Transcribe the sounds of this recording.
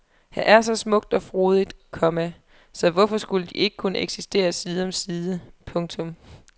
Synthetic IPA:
hæ̰ʔæɐsɒ̽smɔ̽ɡ̥̚d̥ɒ̽fʁo̝ːð̞ˠid̥kʰɒ̽mæ | sɒ̽ʋɒfɒ̽sɡ̥uləd̥iʔe̝ɡ̥əkʰunəʔeɡ̥sisd̥e̝̰ːɐsiːð̞ˠɒ̽msiːð̞ˠəpʰɔ̽ŋt͡sʰɔ̽m

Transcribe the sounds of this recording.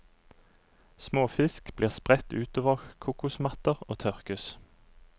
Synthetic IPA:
smoːfɪskb̥liːʁspʁɛt̪ʉːt̪oːʋəʁkʰuːkʊsmɑt̪əʁoːt̪ʰœʁkʉs

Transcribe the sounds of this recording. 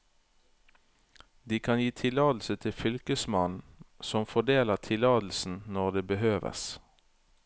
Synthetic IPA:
d̪iːkʰɑnjiːt̪ʰɪlɑːd̪l̩sət̪ʰɪfʏlkəsmɑnn̩sɔmfɔd̪eːləʁt̪ʰɪlɑːd̪l̩sn̩nɔʁd̪eːbəhøːʋə̰s

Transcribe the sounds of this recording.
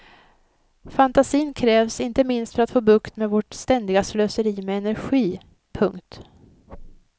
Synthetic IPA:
fant̪asiːnkʰɾɛːvsɪnt̪əmɪnst̪fœɾat̪foːbɵkt̪meːvɔʈst̪ɛnd̪ɪɡasløːsəɾiːmɛɛnæɾɧiː | pʰɵŋkt̪

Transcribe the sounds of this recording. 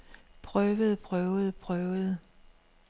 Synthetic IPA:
pʰʁœːʋð̩ˠpʰʁœʊð̩ˠpʰʁœːʊð̩ˠ

